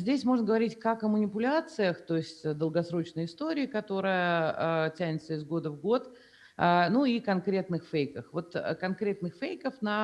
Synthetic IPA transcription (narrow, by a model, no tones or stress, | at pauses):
zʲdʲesʲmo̞ʐnəɡəvɐɾʲitʲkɐkəmənʲɪpʊlʲat̪sɨjəxt̪o̞ɪsʲtʲd̪əlˠɡɐsɾo̞t͡ɕnəjəɪst̪o̞ɾʲɪːkɐt̪o̞ɾɨjətʲænʲɪt̪səɪzɡo̞d̪əvɡo̞t̪ | ənuikɐnkɾʲe̞t̪nɨxfejkəxvo̞t̪kɐnkɾʲe̞t̪̚nɨxfejkəfnɐ